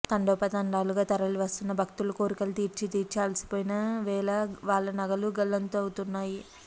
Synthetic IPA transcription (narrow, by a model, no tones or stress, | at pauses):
t̪ɐɳɖɔːpɐt̪ɐɳɖaːluɡaːt̪ɐɾɐluʋɐst̪unːɐbʱɐkt̪ulukoːɾikɐlɐt̪iːɾt͡ʃit̪iːɾt͡ʃaːlsi̥poːjinaːʋɛːlɐʋaːɭːɐnɐɡɐluɡɐlːɐnt̪oɐwut̪unːaːji